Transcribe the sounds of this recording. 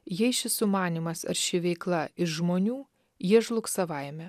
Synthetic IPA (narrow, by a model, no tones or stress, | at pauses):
jɛɪʃʲɪsʊmɑːnʲiːmɐsɐ̰ɾʲʃʲɪʋʲɛɪklˠɐɪʃʒmoːnʲuː | jiɛʒlˠʊksɐʋɐɪmʲɛ